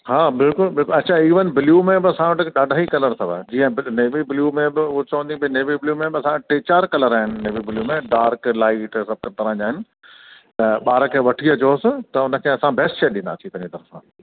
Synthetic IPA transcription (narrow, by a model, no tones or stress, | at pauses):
ɦaːbɪlkʊlbɪlkʊɐtːt͡ɕʰaiːʋənɪ̆bɪljumẽbɪɐsãʋɐʈɪɗaːɖʱaːikɐləɾt̪ʰɐʋa̰d͡ʑiːə̃bɪneːʋibɪljumẽbɪʊt͡ɕɐʋə̃nd̪ibineːʋibɪljumẽbɪɐsãɐʈʈeːt͡ɕaːɾkɐləɾaːɦɪnɪ̆neːʋibɪljumẽɖaːɾklaːɪʈsɐb̚ʱkɐɾt̪ɐɾãːd͡ʑaːɦɪnɪ̆ | t̪ɐɓaːɾəkʰeːʋɐʈʰiəd͡ʑoːsɪt̪ɐʊnə̆kʰeːɐsãbɛːsʈʃeːɗɪ̃nd̪a̰ːt̪ʰĩt̪ɐ̃ɦɲd͡ʑit̪ɐɾəfãː